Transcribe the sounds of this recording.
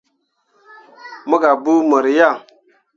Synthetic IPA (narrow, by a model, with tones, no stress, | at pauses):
mə˦ɡa˨bu˦mə˨ɾja˦˨